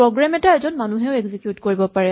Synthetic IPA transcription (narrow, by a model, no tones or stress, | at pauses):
ɹɔɡɹamɛtaɛzɔnmanuɦɛʊɛɡzikjutkoɹibɔpaɹɛ